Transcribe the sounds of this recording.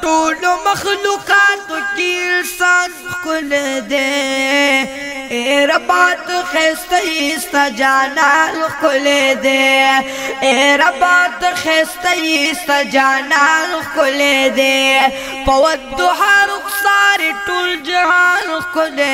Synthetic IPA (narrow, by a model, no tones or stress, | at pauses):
ʈoːlomɐxluqɑːt̪okilsaːn | xkʊled̪e | eɾabaːt̪əxest̪ajist̪ad͡ʒaːnaːnxkʊled̪e | eɾabaːt̪əxeːst̪ajist̪ad͡ʒaːnanxkʊled̪e | pɐwɐt̪d̪ʊɦaːɾʊksaːɾiʈuːld͡ʒaɦaːnxkʊle